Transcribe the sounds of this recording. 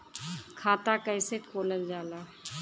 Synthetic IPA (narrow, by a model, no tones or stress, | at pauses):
kʰaːt̪akɛːsekʰoːləld͡ʒaːlaː